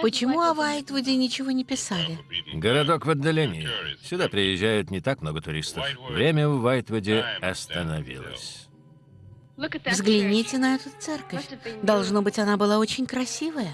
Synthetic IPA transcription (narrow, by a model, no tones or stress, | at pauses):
pət͡ɕɪmuɐvajt̪vədʲɪnʲɪt͡ɕɪvonʲɪpʲɪsalʲɪɡəɾɐd̪okvɐd̪ːɐlʲenʲɪɪsʲʊd̪apɾʲɪjɪʒːæjʊt̪nʲɪt̪ak̚mno̞ɡət̪ʊɾʲḭst̪əfvɾʲemʲəvːajt̪vədʲɪɐst̪ənɐvʲḭlˠə̰sʲ | vzɡlʲɪnʲitʲɪnɐɛt̪ət̪sɛrkəfʲd̪ɐlˠʐno̞bɨtʲɐnabɨlˠao̞t͡ɕɪnʲkɾɐsʲivəjə